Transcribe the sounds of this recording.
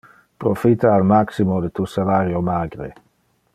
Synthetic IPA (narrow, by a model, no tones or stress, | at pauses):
pɾofit̪aːlmaksimod̪et̪usalaɾjomaːɡɾḛ